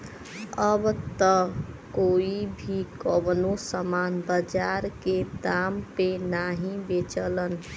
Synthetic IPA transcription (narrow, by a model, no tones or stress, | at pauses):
əbt̪əkoibʱikɔbnosəmanbəd͡ʒaɾked̪ampenaɦĩbet͡ʃələn